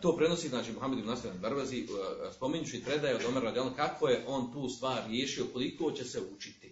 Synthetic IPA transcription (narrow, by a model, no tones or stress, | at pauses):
t̪oːpɾe̞no̞siːznaːt͡ʃiːmuɦamed̪imnasolʲand̪aɾbazispo̞miɲuʃuipɾe̞d̪aːjaod̪omeɾad̪jalkakʋoje̞ʔo̞nt̪uːst̪ʋaːɾːjeːʃio̞ko̞likoːt͡ɕeseut͡ʃi̥t̪i